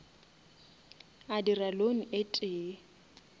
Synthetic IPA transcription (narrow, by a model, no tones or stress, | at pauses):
adiralon̩ʔetʼeː